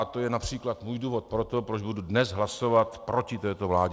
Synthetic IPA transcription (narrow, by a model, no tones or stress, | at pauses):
t̪o̞jɛnapr̝̥iːklat̪muːjduːvo̞t̪̚pɾo̞t̪o̞pɾod͡ʒbududnɛzɦlaso̞vat̪pɾo̞cɪt̪ɛːt̪o̞vlaːɟɛ